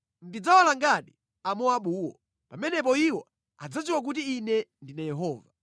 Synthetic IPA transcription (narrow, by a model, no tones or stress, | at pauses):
ndid͡zawalaŋɡaɗi | amɔaɓuːwɔ̰ | pamɛnɛp̬ɔiwɔ | a̰d͡zat͡ʃiwak̬utiːnɛndinajɛɦɔːva